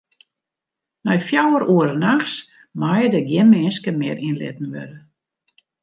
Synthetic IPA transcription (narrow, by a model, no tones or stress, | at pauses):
nɔjfjawəɾuəɾənaxs | majədəɡjɪnmɪnskəmɪːɾʔinlɪ̰t̚n̩ʋø̰ɾə